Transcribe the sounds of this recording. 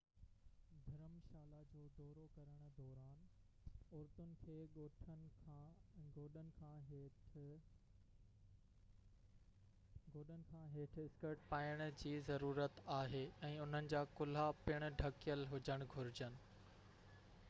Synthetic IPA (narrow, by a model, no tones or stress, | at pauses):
d̪ʱɪɾəmʃaːlad͡ʑoːd̪ɔːɾokɐɾəɽ̃̆d̪ɔːɾaːn | ʊɾt̪ʊnɪ̆kʰeːɠoːʈʰənkʰãɡoːɗənɪ̆kʰãːɦeːʈʰ | ɡʱoːɗənɪ̆kʰãːɦeːʈʰɪskəɾʈpaːɪəɽ̃̆d͡ʑiːzɐɾuːɾət̪aːɦeːɛ̃ːʊn̤ənɪ̆d͡ʑaːkʊl̤apɪɽ̃̆ɖʱɐkijəlɦʊd͡ʑəɽ̃ɡʱʊɾɪd͡ʑənɪ̆